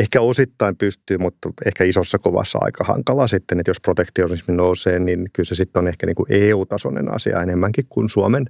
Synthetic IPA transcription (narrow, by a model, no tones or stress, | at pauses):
ehkæosit̪ːɑimpyst̪yːmut̪ːehkæisosːɑkoʋɑ̰sːɑ̰ɑ̰ikɑhɑ̰ŋkɑlɑsit̪ːenet̪josprot̪ekt̪ionisminouseːnninkylsesit̪ːonehkæniːŋkuʔeːut̪ɑso̰nḛnɑ̰siɑ̰enemːæŋkikkunsuɑmen